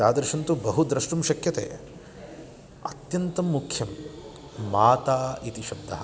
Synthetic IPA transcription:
aːd̪ɐɾʃɐnt̪ubɐɦud̪ɾɐʂʈumʃɐkjɐt̪ḛː | ɐt̪jɐnt̪ɐmːukʰjɐmː | aːt̪aːit̪iʃɐb̚d̪ɐɦɐ

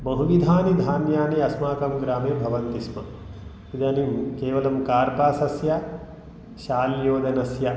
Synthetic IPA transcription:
bɐɦuʋid̪ʱaːnid̪ʱaːnjaːniɐsmaːkɐmɡɾaːmeːbʱɐʋɐnt̪ismɐ | ʋid̪ɐnimkeːʋɐlɐmkaːɾpaːsɐsjɐ | ʃaːljoːd̪ɐnɐsjɐ

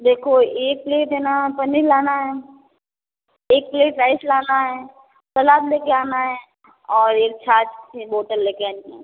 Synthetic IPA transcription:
d̪eːkʰoeːk̚ːleːʈɦɛnapɐnilaːnaɦɛː | eːk̚pleːpɾaːɪslaːnaɦɛ | sɐlaːbleːkeaːnaɦɛ | ɔːɾeːk̚t͡ʃʰaːt͡ʃboːʈəɾleːkeaːniɛ

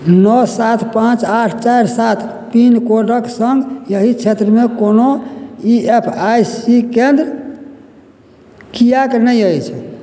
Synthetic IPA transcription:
nɔsat̪ʰpãt͡ʃaʈʰt͡ʃajɾsat̪ʰ | pinkoɖəksəŋɡjəɦit͡ʃʰet̪ɾəmekonoiepʰajsikend̪ɾ | kijaknəjəjt͡ʃʰ

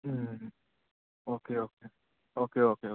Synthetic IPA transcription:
oːkeoːke | oːkeoːkeo

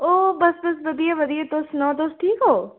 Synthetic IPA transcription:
oːbɐsbɐs̬ʋɐd̪ijaʋɐd̪ijad̪oːst̪nɔ̃ːd̪oːstʈʰiːkɦoː

